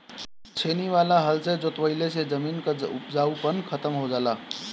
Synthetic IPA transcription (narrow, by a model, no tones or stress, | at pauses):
t͡ʃʰeːniʋalaɦəlsed͡ʒot̪ʋəɪlesed͡ʒəmiːnkəupd͡ʒaupənkʰət̪əmɦod͡ʒaːlaː